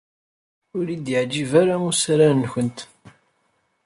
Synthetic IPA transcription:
ʊɾid̪jəʕd͡ʒivaɾamusɾançənt̪

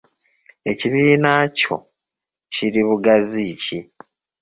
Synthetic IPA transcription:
e̞ciβiːnaːco̞̰ | ciɾiβuɡazici

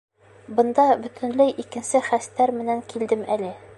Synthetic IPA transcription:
bɤ̆nd̪ɑbɵ̆t̪ʰɘ̆nlɘjʔikɘ̆nsɘχæst̪ːæɾmɘ̆næŋkild̪ɘmælɘ

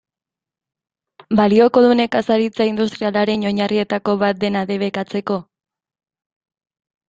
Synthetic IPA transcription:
balio̞ko̞ðune̞kasaɾit͡saind̪ust̪ɾialaɾe̞no̞ɲarie̞t̪ako̞βat̪̚d̪e̞naðe̞β̞e̞kat͡se̞ko̞

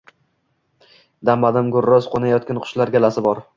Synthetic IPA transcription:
d̪amːad̪amɡʊɾːɒzqʰonajɒt̪̚kʲanqʰʊ̥ʃlaɾɡʲalasɪbɒɾ

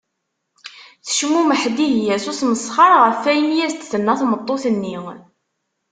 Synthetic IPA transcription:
θə̥ʃmuməħd̪ihjæsusməsˤχɑɾˤʁəfːæjənjæst̪ːθənːæθmət̪ˤːoθənːi

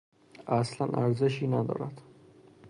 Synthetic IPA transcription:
aslanʔa̰ɾd̪zɛʃinand̪ɔ̰ɾat̪ʰ

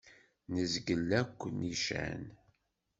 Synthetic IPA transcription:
nəzɡəlːækʷːniʃæ̰n

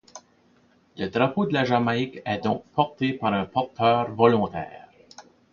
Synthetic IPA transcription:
ləd̪ʁapod̪əlaʒamaɪkɛd̪ɔ̃ːk̚pʰɔʁt̪epaʁɛ̃pɔʁt̪œːʁvɔlɔ̃t̪ɛ̰ːʁ

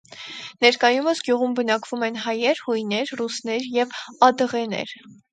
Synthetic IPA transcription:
nɛɾkɑjuməsɡjuʁumbənɑkv̥umɛnɦɑjɛɾhujnɛɾrusnɛɾjɛvɑd̪əʁɛnɛ̰ɾ

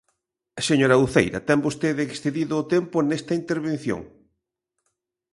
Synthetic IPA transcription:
ɐseɲoɾɐuθḛjɾɐ̰t̪ɛmbost̪eðɪːksθeðiðʊːt̪empʊnest̪ɐint̪eɾβen̟θjo̰ŋ

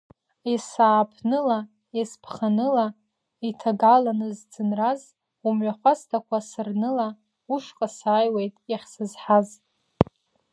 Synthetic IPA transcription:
esaːpʰnɨla | espʰχanɨla | itʰaɡalanɨzd͡zɨnraz | umɥʷaχʷastʰakʷʰasɨrnɨla | uʂqʼasaːjwejtʼaχʲsɨzħaz

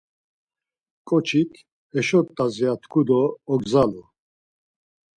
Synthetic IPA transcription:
kʼɔt͡ʃʰit̪ʰ | ɛʃɔt̪ʼːaziat̪ʰkʰud̪ɔːɡzalu

